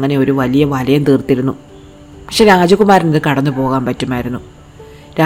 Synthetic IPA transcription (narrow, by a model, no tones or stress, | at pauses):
ŋːɐne̞o̞ɾuʋɐlijɐʋɐlɐjɐmt̪iːrt̪ːiɾunːu | pɐkʂenaːd͡ʑɐkːumaːɾiniðɨkɐɽɐnːɨpo̞ːɣaːmpɐtːumaːjiɾunːu | ɾa